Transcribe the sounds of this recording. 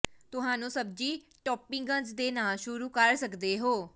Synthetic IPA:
t̪ʊɦãːnũːsəb̚d͡ʒiː | ʈɔːpɪŋɡə̃nd͡ʒd̪eːnaːlʃʊɾuːkəɾsəkd̪eːɦoː

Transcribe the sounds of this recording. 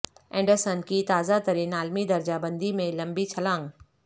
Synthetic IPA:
ɛ̃ːɳɖəɾsənkit̪aːzat̪ɐɾĩnaːlmid̪ɐɾd͡ʑabɐ̃nd̪imẽlɐ̃mbit͡ɕʰɐlãːŋ

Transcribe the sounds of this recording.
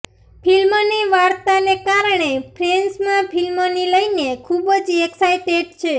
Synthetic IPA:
pʰilmoniʋaɽt̪anekaɾɳepʰɾensmãpʰilmoniləjnekʰubəd͡ʒeksajʈeɖ̚t͡ʃʰe

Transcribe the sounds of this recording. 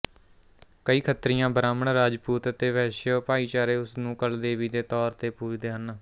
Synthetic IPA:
kəiːkʰət̪ɾijãːbɾaːməɳɾaːd͡ʒpuːt̪ət̪eːʋɛːʃəːpaːiːt͡ʃaːɾeːʊsnũːkəld̪eːʋiːd̪eːt̪ɔːɾt̪eːpuːɾd̪eːɦən

